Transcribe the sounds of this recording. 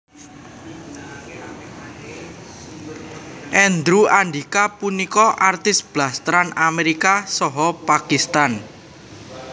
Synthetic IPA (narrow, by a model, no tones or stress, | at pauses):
ʔɛnd̪ɾuanɖikapunikɔʔart̪ɪsb̥last̪ɾanameɾikasɔɦɔpakist̪an